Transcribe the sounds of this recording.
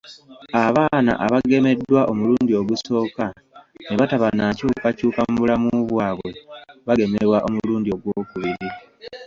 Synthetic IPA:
aβaːna̰ʔaβaɡe̞me̞dːwaʔo̞muluːndio̞ɡuso̞ːka | neβataβanacuːkacuːkamuβulamuuβwaːβwe̞βaɡe̞meɾwaʔo̞muluːndio̞ɡwoːkuβiɾi

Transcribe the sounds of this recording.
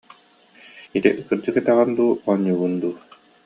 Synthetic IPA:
it̪ḭʔkɯɾd͡ʑɯkɛt̪ɛʁɯnd̪uːɔɲːuːɡund̪uː

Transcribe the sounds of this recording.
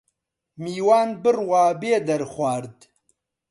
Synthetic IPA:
miːwaːnbɨrwaːbeːd̪ɐɾxwʷaːɾd̪

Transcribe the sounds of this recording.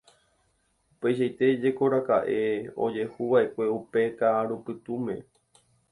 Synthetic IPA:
upe̞jʃ̬ajt̪e̞d͡ʒe̞ko̞ɾakaʔe̞o̞̰d͡ʒe̞huʋaʔe̞kʷe̞upe̞kaɾupɨt̪umẽ̞

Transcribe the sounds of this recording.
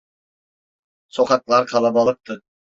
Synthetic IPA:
soqʰɑk̪lˠɑɾqʰɑlˠɑbɑlˠɯp̚t̪ʰɯ

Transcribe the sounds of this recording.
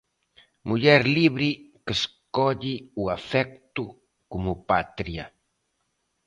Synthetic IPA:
muʎɛɾliβɾikəskɔʎiuafɛk̚t̪u | kumupat̪ɾia

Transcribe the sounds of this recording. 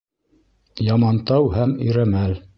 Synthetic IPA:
jɑmɑnt̪ɑwhæmɵ̆jɾæmæl

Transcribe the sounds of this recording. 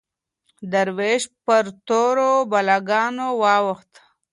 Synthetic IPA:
d̪əɾweʃpəɾt̪oɾobalaɡɑnowɑwəxt̪

